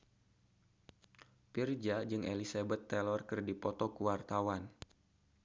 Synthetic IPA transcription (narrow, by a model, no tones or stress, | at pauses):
pird͡ʒad͡ʒɨŋʔelisabɛt̪ːɛlɔrkɨrdipɔt̪ɔkuwart̪awan